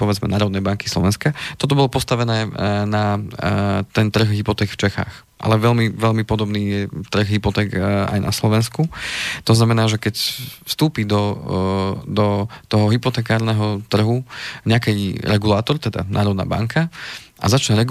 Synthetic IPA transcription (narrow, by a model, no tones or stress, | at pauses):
pɔʋɛd͡zmɛ̰naːɾɔd̪nɛjbaŋki̥slɔʋɛnskat̪ɔt̪̬ɔbɔlɔpɔst̪aʋɛnɛːna | t̪ɛnt̪r̩ɣɦipɔt̪ɛːkft͡ʃɛxa̰ːx | ʔa̰lɛʋɛʎmiʋɛʎmipɔd̪ɔbniːjɛt̪r̩ɣɦipɔt̪ɛːka̰jnʔa̰slɔʋɛnskut̪ɔznamɛnaːʒɛkɛcfst̪uːpid̪ɔ | d̪ɔt̪ɔɦɔɦipɔt̪ɛːkaːɾnɛɦɔt̪r̩ɦuɲɛakɛjɾɛɡulaːt̪ɔɾt̪ɛd̪a̰nʔa̰ːɾɔd̪na̰ːba̰ŋkʰa | ʔa̰zat͡ʃɲɛɾɛɡ